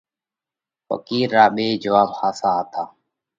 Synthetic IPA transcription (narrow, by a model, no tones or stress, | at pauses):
pə̰kiːɾːaːɓeːd͡ʒəʋaːbhaːsaːat̪ʰaː